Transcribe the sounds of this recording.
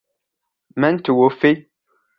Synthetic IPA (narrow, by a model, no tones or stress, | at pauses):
mɛ̃ntuwofe